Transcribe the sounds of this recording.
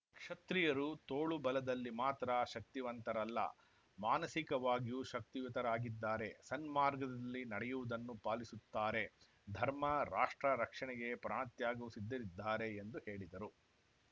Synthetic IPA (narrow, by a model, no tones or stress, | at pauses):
kʂɐt̪ɾijɐɾut̪oːɭubɐlɐd̪ɐlːimaːt̪ɾɐʃɐk̚t̪iʋɐnt̪ɐɾɐlːɐ̰ | maːnɐsikɐʋaːɡijuʃɐk̚t̪iʋit̪ɐɾaːɡid̪ːaːɾe̞sɐnmaːɾɡɐd̪ɐlːinɐɽɛjuʋud̪ɐnːupaːlisut̪ːaːɾe̞ | d̪ʱɐɾmɐɾaːʂʈɾɐɾɐkʂɐɳɛɡe̞pɾaːɳɐt̪jaːɡuusid̪ːɐɾid̪ːaːɾe̞ːnd̪uhe̞ːɭid̪ɐɾu